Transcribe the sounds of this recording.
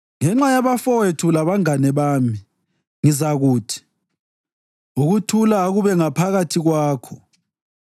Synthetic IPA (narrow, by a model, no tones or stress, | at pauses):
ŋɛŋ͡ǁajaβafɔwetʰulaβaŋanɛβaːmi | ŋizaɣuːtʰi̥ | uɣutʰulaɣuβɛŋapʰaɣatʰiɣwaːkʰɔ